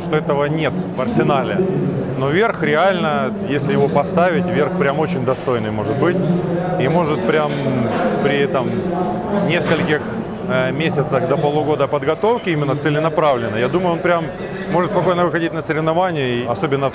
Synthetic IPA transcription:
ʂt̪o̞ɛt̪əvənʲe̞t̪vɐrsʲɪnalʲɪ̰ | no̞vʲerxɾʲɪalʲnə | jesʲlʲɪjɪvo̞pɐst̪avʲɪtʲvʲe̞rxpɾʲamo̞t͡ɕɪnʲd̪ɐst̪o̞jnɨjmo̞ʐɨt̪̚bɨtʲimo̞ʐɨt̪̚pɾʲampɾʲɪɛt̪əm | nʲe̞skəlʲkʲɪx | mʲesʲət̪səxd̪əpəlˠʊɡo̞d̪əpəd̪ɡɐt̪o̞fkʲɪimʲɪnːət̪sɨlʲɪnɐpɾavlʲɪnːəjad̪uməjʊonpɾʲamː | o̞ʐɨt̪spɐko̞jnəvɨxɐdʲit̚ʲnəsəɾʲɪvnɐvanʲɪjəiɐso̞bʲɪnːə

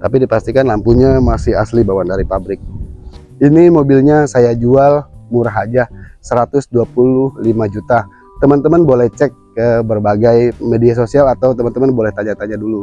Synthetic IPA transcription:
t̪apidipast̪ikanlampuɲamasɪɦa̰slibawandaɾipabɾɪk̚ | inimobilɲasajad͡ʒualmuɾaɦad͡ʒasəɾat̪ʊsduapulʊhlimad͡ʒut̪a | t̪əmənt̪əmənbolɛht͡ʃɛkːəbərbaɡajmedias̬osialat̪awt̪əmənt̪əmənbolɛht̪aɲat̪aɲadulu

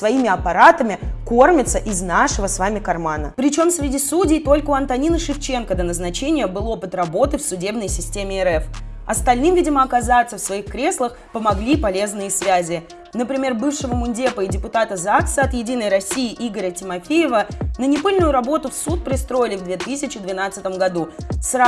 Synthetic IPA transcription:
svɐimʲɪɐpɐɾat̪əmʲɪko̞rmʲɪt̪səʔɪznaʂɨvəsvamʲɪkɐrmanə̰pɾʲɪt͡ɕo̞msvɾʲɪdʲisudʲɪjt̪o̞lʲkəʊɐnt̪ɐnʲinəʂɨft͡ɕe̞nkəd̪ənəznɐt͡ɕenʲɪjəbɨlˠo̞pɨt̪rɐbo̞t̪ɨfsʊdʲe̞bnəjsʲɪsʲtʲemʲɪɛɾɛfɐst̪ɐlʲnɨmvʲidʲɪməɐkɐzat̪səfsvɐixkɾʲe̞slˠəx | pəmɐɡlʲipɐlʲe̞znɨjəsvʲæzʲɪ | nəpɾʲɪmʲe̞rbɨfʂɨvəmʊnʲdʲepəɪdʲɪpʊt̪at̪əzaksɐt̪jɪdʲinəjɾɐsʲːijɪʔiɡəɾʲətʲɪmɐfʲejɪvənənʲɪpɨlʲnʊjʊɾɐbo̞t̪ʊfsut̪̚pɾʲɪst̪ɾo̞jɪlʲɪvd̪vʲe̞t̪ɨsʲɪt͡ɕɪd̪vʲɪn̪at̪sɨt̪əmɡɐd̪usra

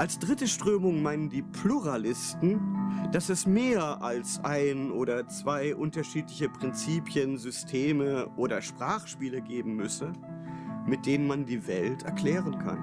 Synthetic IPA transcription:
ʔalsd̥ʁɪtəʃtʁ̥øːmʊŋmaɪnəndiːpʰluʁalɪstn̩d̥asɛsmeːɐʔalsʔaɪnʔoːɾɐt͡sv̥aɪʔʊntɐʃiːtlɪçəpʁ̥ɪnt͡siːpʰjənzʏstʰeːməʔoːɾɐʃpʁ̥aːχʃpiːləɡeːbm̩mʏsə | mɪt̚d̥eːnənmandiːvɛltʰɛɐkl̥ɛːʁənkʰa̰n

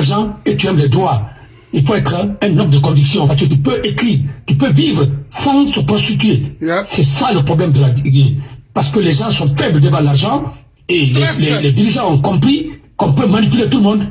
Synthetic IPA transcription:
ʁʒɑ̃et̪yɛmlɛd̪ʁwa | ilføɛt̪χəɛ̃nɔ̃mbd̪əkɔ̃d̪iksjɔ̃asəkət̪ypøʔekχit̪ypøvivʁəsɑ̃səpʁɔst̪it̪yesɛsaləpʁoblɛmd̪əlaɡepaʁsə̥kəlɛʒɑ̃sɔ̃fɛbld̪evãəlaʁʒɑ̃ | elɛlɛlɛd̪iʁiʒɑ̃ɔ̃kɔ̃mpχikɔ̃pømanipylet̪uləmɔ̃d̪

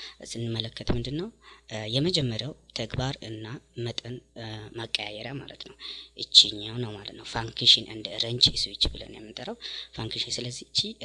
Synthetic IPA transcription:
sɨnːɨmːələkːət̪mɨnd̪ɨnːəwjɛməd͡ʒɛmːəɾjawt̪ʰəɡbaɾɨnːamət̪ʼənməkʼːəja̰jɛɾjama̰lət̪nəwʔɨt͡ʃːiɲːawnəwmalət̪nəwfaŋkʰeʃɪnɨnd̪əɾəɲt͡ʃɨswit͡ʃːbɨlə̰njɛ̰mːɨnt̪ʼəɾəwfaŋkʰeʃinsɨləzːit͡ʃːi

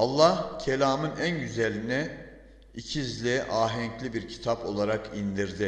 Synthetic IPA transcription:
ɑlˠːahcʰelʲaːmɯnænɟyzelʲinɛ | icʰizlʲiʔaːɦɛɲclʲibiɾcʰi̥t̪ʰapo̞lˠaɾakind̪iɾd̪ɪ

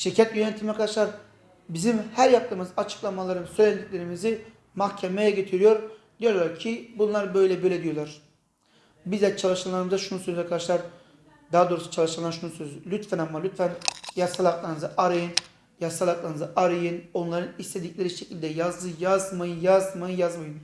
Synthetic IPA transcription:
ʃiɾcʰat̪jønet̪ʰimɛkʰad̪aʃlˠaɾ | bizimhæɾjap̚t̪ɯmɯzat͡ʃʰɯ̥klˠamalˠaɾɯmsøjlʲæned̪icʲlʲeɾimizi | mahcʰemejɛɟet̪ʰiɾijo̞ɾd̪̥ijo̞ɾlˠaɾcʰibunlˠaɾbø̞jlʲɛbøjlʲɛd̪ijo̞lˠaɾ̥ | bizɛt͡ʃʰalˠɯʃɯlˠaɾɯmɯzaʃunusøzɛkʰad̪aʃlˠaɾ | d̪aɦad̪oɾusu̥t͡ʃʰalˠɯʃɯlˠanʃunusøzylʲyt̪fænamːalʲyt̪fænjasalˠaklˠaɾɯnɯzaʔaɾɯjɯn | jasalˠaklˠaɾnɯzaʔaɾɯjɯno̞nlˠaɾɯnist̪ʰed̪iclʲeɾiʃecʰilʲd̪ɛjazd̪ˠɯjazmajɯnjazmajɯnjazmajɯn

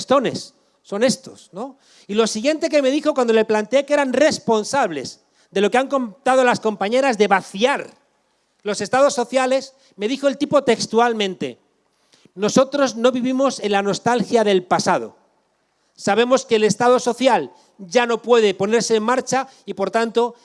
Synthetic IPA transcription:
st̪o̞ne̞̰sː | o̞ne̞st̪o̞sno̞ | ilo̞siɣje̞nt̪e̞k̬e̞me̞ð̞ixo̞kwand̪o̞leplant̪e̞eke̞ɾanre̞spo̞nsaβ̞le̞z | d̪e̞lo̞keaŋko̞mt̪að̞o̞lasko̞mpaɲe̞ɾazðe̞βaθjaɾ | lo̞sest̪að̞o̞sːo̞θjale̞s | me̞ðixo̞elt̪ipo̞t̪e̞kst̪ualmẽ̞nt̪e̞̰ | no̞so̞t̪ɾo̞zno̞βiβimo̞se̞nlano̞st̪alxjaðe̞lpasað̞o̞̰ | saβ̞e̞mo̞ske̞ːle̞st̪að̞o̞so̞θjal | ʝano̞pwe̞ð̞e̞po̞ne̞ɾse̞ːmːaɾt͡ʃa | ipo̞ɾt̪ant̪o̞

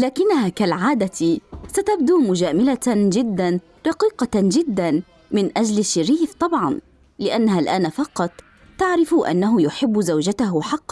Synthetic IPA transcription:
laːkɪnːaɦaːkalʕaːd̪at̪sat̪abd̪uːmʊd͡ʒaːmɪlad͡ʒɪd̪ːan | ɾˤɑqiːqɑd͡ʒɪd̪ːan | mɪnʔad͡ʒlɪʃːɪɾiːft̪ˤɑbʕɑn | lɪʔanːahalʔaːnafɑqɑt̪ˤː | aʕɾɪfʔa̰nːaɦʊjʊħɪbːzawd͡ʒat̪aɦʊħɑqːɑ

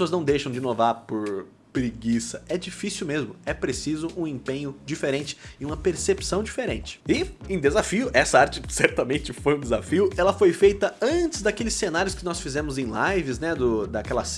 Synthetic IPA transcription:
esoɐznɐ̃w̃d̪ejʃɐ̃w̃d͡ʒɪnovaɾpʊɾ | pɾiɡisɐɛd͡ʒifisiuwmezmʊɛpɾesizʊʔũẽpẽɲʊd͡ʒifeɾẽnt͡ʃɪ̥ɪũmɐpeɾsepsɐ̃w̃d͡ʒifeɾẽnt͡ʃɪ̥ɪẽd̪ezafiʊʔɛsɐaɾt͡ʃɪsɛɾt̪ɐmẽnt͡ʃɪfojũd̪ezafiʊɛlɐfojfejt̪ɐɐ̃t͡ʃɪzd̪ɐkelɪsːenaɾiʊskɪnɔsfizẽmʊzẽj̃lajvɪznɛd̪ʊd̪ɐkɛlɐs

